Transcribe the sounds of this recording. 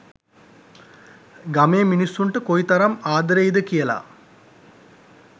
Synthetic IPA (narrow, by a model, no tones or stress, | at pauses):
ɡɐmeːminisːuɳʈəkoit̪ɐɾɐmaːd̪ɾejd̪əkijɐla̰